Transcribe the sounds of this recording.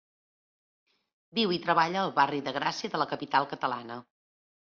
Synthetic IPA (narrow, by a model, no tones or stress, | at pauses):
biwit̪ɾəβaʎəːlˠβariðəɣɾasiəðələkəpit̪alˠkət̪əlanə